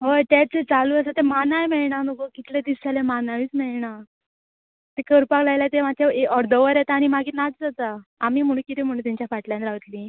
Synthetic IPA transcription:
ɦojt̪at͡set͡saluːəsat̪emanajmɛɭɳanəkokit̪led̪isalemanaʋiːt͡smɛɭɳa | t̪ekəɾpaklajlat̪emat̪ʰjaeɔɾd̪əʋəɾjet̪aːñimaɡʱiːnat͡sd͡zat̪aamiːm̤əɽ̃ũkit̪im̤əɽũnt̪ãɲt͡ɕjafaʈlanɾaʋət̪liː

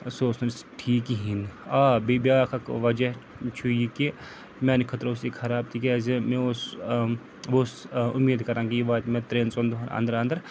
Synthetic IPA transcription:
soːsnɐnsʈʰiːkiɦinaːbibijaːkʰɐkʋɐd͡ʒɐɦ | t͡ʃʰujike | mẽnikʰɐt̪ɾʊsikʰɐɾaːb̚t̪ʰiːkezemẽos | ʋosʊmːeːd̪kɐɾãːɡijibaːt̪mẽt̪ɾeːnsond̪uɦɐɾɐ̰̃nd̪əɾɐnd̪əɾ

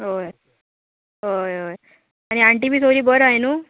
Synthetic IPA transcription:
ɦoj | ɦojɦoj | añiaɳʈibiːsoɾiːbəɾainuː

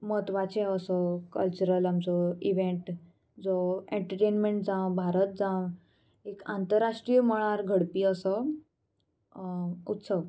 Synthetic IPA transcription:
mət̪ʋat͡ɕeəsəkəlt͡ɕuɾəlamt͡sɔiʋẽɳʈ | d͡zɔẽɳʈəɾʈenmeɳʈd͡zãw̃bʱaɾət̪̚d͡zãw | ekant̪əɾaʂʈɾijəməɭ̃aɾɡʱəɽpiːəsə | ut̪səʋ

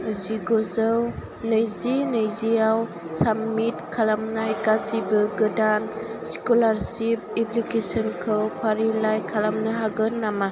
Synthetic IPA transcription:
ziɡɔzɯw | nɯjzinɯjziaw | samitkʰalamnajkasibɯɡɯdansi̥kulaɾsip̚epʰlikesɔnkʰɯwpʰaɾilajkʰalamnɯɦaɡɯnːama

